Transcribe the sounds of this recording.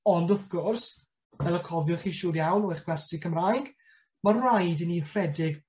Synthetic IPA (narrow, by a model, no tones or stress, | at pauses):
ɔndɔθɡ̥ʊrs | vɛlˠəkʰɔvjɔχiːʃuːɾjawnɔjχɡ̥wɛrsɪkʰəmrajɡ | marajdiniːr̥ɛdɪɡ